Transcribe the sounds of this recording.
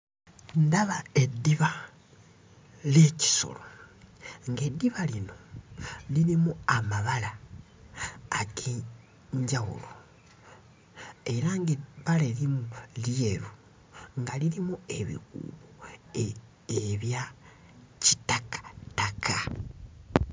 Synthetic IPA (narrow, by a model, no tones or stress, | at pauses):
ndaβaedːiβa | leci̥so̰lo | ŋɡe̞dːiβalino̞ | liɾimuamaβala | ke | ɲɟaɣṵlo | e̞ɾaŋɡeβalelimulje̞ɾu | ŋɡaliɾimue̞βḭkṵβo | eβja | ci̥takḁtakʰa